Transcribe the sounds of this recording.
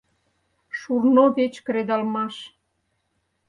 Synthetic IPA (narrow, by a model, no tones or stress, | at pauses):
ʃurnoβet͡ɕkɾed̪ɑlmɑʃ